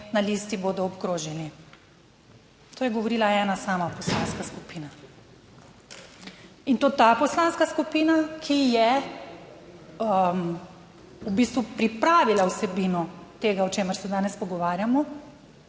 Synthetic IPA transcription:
naliːst̪iboːd̪ɔːpkɾoːʒɛni | t̪oːjɛɡɔʋɔɾiːlaɛːnasaːmapɔslanskaskupiːna | int̪oːt̪apɔslaːnskaskupiːnakʰijɛ | ubiːst̪ʋupɾipɾaːʋilawsɛbiːnɔt̪eːɡaɔt͡ʃeːməɾsɛd̪aːnɛspɔɡɔʋaːɾjamɔ

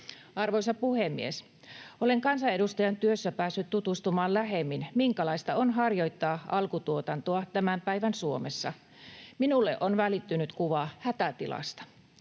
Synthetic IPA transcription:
ɑrʋojsɑpuhemːḭes | ʔoleŋkɑnsɑe̞dust̪ɑjɑnt̪yøsːæpæːsːyt̪t̪ut̪ust̪umɑːllæɦemːinmiŋkɑlɑist̪ɑonɦɑrjo̞jt̪ːɑːʔɑlkut̪uot̪ɑnt̪oɑt̪æmæmpæiʋænsuomesːɑ | minulːḛʔonʋælit̪ːynyt̪kuʋɑhæt̪æt̪ilɑ̰st̪ɑ̥

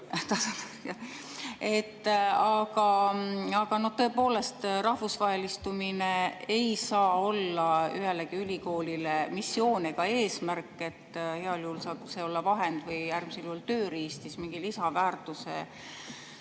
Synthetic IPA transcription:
t̪ɑsɑ | jɑ | e̞t̪ːɑɡɑɑɡ̥ɑno̞ht̪ɤ̞e̞po̞ːle̞st̪rɑhvusvɑɦe̞list̪umineejsɑːo̞lːɑyɦeleɡ̥iylʲiko̞ːlilemisːjo̞ːneɡ̥ɑe̞ːsmærkːˑe̞t̪ːhe̞ɑljuulsɑːbseo̞lːɑvɑɦend̪̥vɯjærmiseljult̪ø̞ːɾiːst̪ismiŋɡ̥ilisɑvæːrt̪ˑusḛ

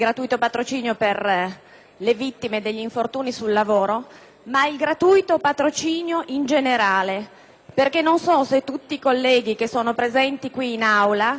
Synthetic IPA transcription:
ilɡɾat̪uːit̪opat̪ɾot͡ʃiːnjoper | levit̪ːimed̪eʎːiɱfort̪uːnisulːavoːɾo | mailɡɾat̪uːjt̪opat̪ɾot͡ʃiːnjoʔind͡ʒeneɾaːle | perk̟enːonsɔset̪ːut̪ːiːkolːɛːɡik̟esːoːnopɾezɛnt̪ikwiːnawla

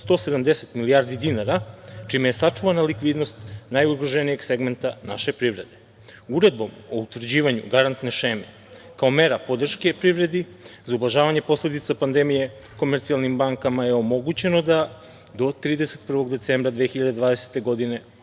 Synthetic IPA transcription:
st̪o̞sed̪amd̪ese̞t̪miliaːɾd̪id̪inaɾat͡ʃimejesat͡ʂuʋanalikʋiːd̪no̞st̪najuɡɾoʒenije̞ɡse̞ɡment̪anaʃe̞pɾivɾe̞d̪e̞ | uɾe̞d̪̚bo̞mout̪ʋr̩d͡ʑiːʋaɲṵɡaɾant̪ne̞ʃeːme | kao̞me̞ɾapo̞d̪r̩ʃke̞pɾivɾe̞d̪i | zaublˠaʒaːʋaɲe̞po̞sle̞d̪it̪sapand̪emije | ko̞meɾt̪sialnimbaŋkamaje̞o̞mo̞ɡut͡ɕe̞no̞d̪a | d̪o̞t̪ɾiːd̪eset̪pr̩ʋo̞ɡd̪e̞t̪seːmbɾad̪ʋexiʎad̪ed̪ʋaːd̪e̞se̥t̪e̞ɡo̞d̪ine̞

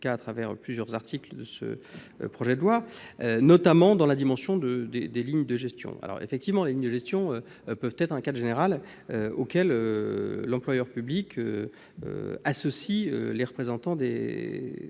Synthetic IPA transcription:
kaːt̪χavɛʁplyzjœʁzaʁt̪ikld̪əsə̰ | pχɔʒɛd̪əlwaønɔt̪amɑ̃d̪ɑ̃lad̪imɑ̃sjɔ̃d̪əd̪ed̪eliɲd̪əʒɛst̪jɔ̰̃a̰lɔ̰ʁḛfɛk̚t̪ivmɑ̃leliɲd̪əʒɛst̪jɔ̃ø | pœvt̪ɛt̪χɛ̃kad̪ʁʒeneʁal | øo̰kʲɛlølɑ̃plwajœʁpyblikʰø | ø̰asɔsiø̰leʁəpχezɑ̃t̪ɑ̃d̪e

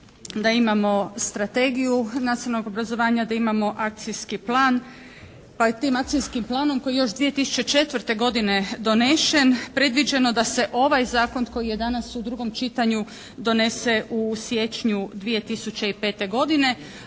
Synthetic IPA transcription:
d̪aimamo̞st̪ɾat̪e̞ːɡijunat̪sinanoɡo̞bɾazo̞ʋaːɲad̪aimamo̞ʔak̚t̪sijskiplˠaːn | pat̪iːmak̚t̪sijskimplˠaːno̞mko̞jijo̞ʃd̪ʋije̞t̪isu̥t͡ɕe̞t͡ʃe̞t̪ʋɾt̪e̞ɡo̞d̪ine̞d̪o̞ne̞ʃe̞npɾe̞d̪ʋid͡ʑe̞no̞d̪ase̞ʔo̞ʋajzaːko̞nko̞jije̞d̪anasud̪ɾuɡo̞mt͡ʃit̪aɲu | d̪o̞ne̞se̞ʔusje̞t͡ʃɲud̪ʋije̞t̪isut͡ɕe̞ipe̞ːt̪e̞ɡo̞d̪ine̞

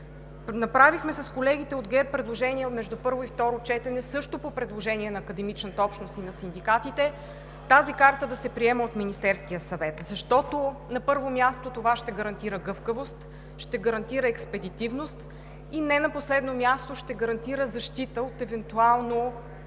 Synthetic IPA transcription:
nɐpɾavixmɛsɐskolɛɡ̟it̪ɛod̪ɡɛɾpɾɛd̪lˠoʒɛniɛmɛʒd̪upɤɾvoift̪ɔɾot͡ʃɛt̪ɛnɛsɤʃt̪opopɾɛd̪lˠoʒɛniɛnɐːkəd̪ɛmit͡ʃnət̪əɔpʃnosinɐsind̪ikat̪it̪ɛ | t̪azikaɾt̪əd̪ɐsɛpɾiɛmɛot̪minist̪ɛɾsk̟ijəsɐvɛt̪zɐʃt̪ɔt̪onɐpɤɾvomjast̪ot̪ovaʃt̪ɛɡəɾɐnt̪iɾəɡɤfkəvost̪ | ʃt̪ɛɡɐɾɐnt̪iɾəɛkspɛd̪it̪ivnost̪ | inɛnɐposlɛd̪nomjast̪oʃt̪ɛɡɐɾɐnt̪iɾəzɐʃt̪it̪əot̪ɛvɛnt̪ualˠno

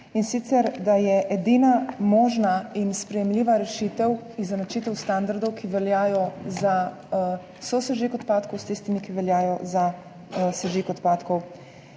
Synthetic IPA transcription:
insit̪sɛɾd̪ajɛʔɛd̪inamɔːʒnainspɾɛjɛmliːʋaɾɛʃit̪ɛwizanat͡ʃiːt̪ɛwst̪and̪aɾd̪ɔwkiʋɛljaːjɔza | sɔsɛʒikɔt̪paːt̪kɔwst̪ist̪imikiʋɛljaːjɔza | sɛʒikɔt̪paːt̪kɔw

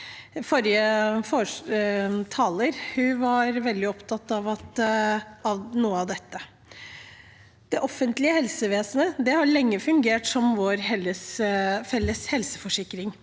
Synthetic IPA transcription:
fɔɾjəfɔ | t̪ʰɑːləɾhʉʋɑɾʋɛld̪ɪɔpt̪ʰɑt̪ːɑʋɑt̪ | ɑʋnuːəɑʋd̪ɛt̪ːə | d̪̥ɛʔɔfːənt̪lɪəhɛlsəʋeːsnəd̪ɛhɑɭɛŋːəfʉŋɡeːʈsɔmʋoɾɦɛlːəsfɛlːəshɛlsə̥fɔʂɪkːɾɪŋ

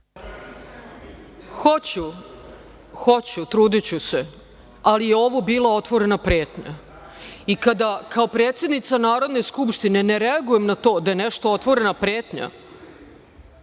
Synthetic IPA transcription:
xot͡ɕu | xo̞t͡ɕut̪ɾuːd̪it͡ɕuse̞ | alijeo̞ʋobiːlˠao̞t̪ʋo̞ɾe̞napɾe̞ːt̪ɲa̰ | ikad̪akao̞pɾe̞ːt̪sje̞d̪nit̪sanaːɾo̞d̪ne̞skupʃt̪ine̞ne̞ɾe̞aɡuje̞mnat̪o̞ːd̪aje̞neʃt̪oo̞t̪ʋo̞ɾe̞napɾeːt̪ɲa̰

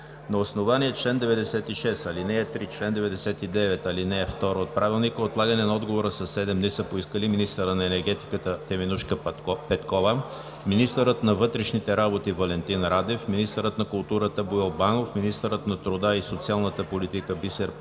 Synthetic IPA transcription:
nɐosnovaniɛt͡ʃlɛnd̪ɛvɛd̪ɛsɛt̪iʃɛst̪ɐlinɛːt̪ɾit͡ʃlɛnd̪ɛvɛd̪ɛsɛt̪id̪ɛvɛt̪ɐlinɛːft̪ɔɾoot̪̚pɾʔavilˠnikoot̪lˠaɡənɛnɐɔd̪ɡovoɾəsɐsːɛd̪ɛmnɛsɤpoiskəliminist̪əɾənɐɛnɛɾɡɛt̪i̥kət̪ət̪ɛminuʃkəpɛt̪kɔvə | minist̪əɾət̪nɐvɤt̪ɾɛʃnit̪ɛɾabot̪ivɐlɛnt̪inɾad̪ɛfminist̪əɾət̪nɐkʊlˠt̪uɾət̪əbuɛlˠbanofminist̪əɾət̪nɐt̪ɾʊd̪aisot̪sialˠnət̪əpolit̪ikəbisɛɾ

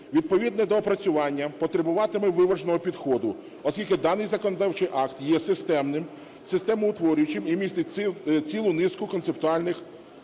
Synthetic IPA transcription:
ʋʲid̪̚pɔʋʲid̪nɛd̪ɔpɾɐt͡sʲʊʋɑnʲːɐpɔt̪ɾebʊʋɑt̪ɪmɛʋɪʋɐʒnɔɦɔpʲid̪xɔd̪ʊ | ɔskʲilʲkɪd̪ɑnɪjzɐkɔnɔd̪ɑwt͡ʃɪjʔɑkt̪jɛsɪst̪ɛmnɪm | sɪst̪ɛmʊʊt̪ʋɔɾʲʊjʊt͡ʃɪmimʲist̪ɪt͡sʲilˠʊnɪskʊkɔnsept̪ʊɑlʲnɪx

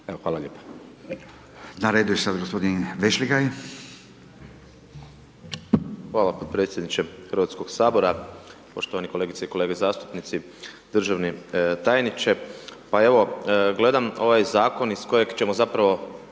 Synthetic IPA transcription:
eoxʋaːlˠaʎʲeːpḁ | naɾed̪ujeʃsad̪aɡospo̞d̪inʋeʃliɡaj | xʋaːlˠapo̞d̪̚pɾet̪sʲjed̪nit͡ʃexr̩ʋaːt̪sko̞ɡsaːbo̞ɾapo̞ʃt̪oanikoleɡit̪seikole̞ːɡezaːst̪u̥pnit̪si | d̪r̩ʒaʋnit̪aːjnit͡ʃe̞pae̞ʋo̞ɡle̞d̪amo̞ʋajzaːko̞nisko̞je̞ɡt͡ʃe̞mo̞zapɾaʋo̞

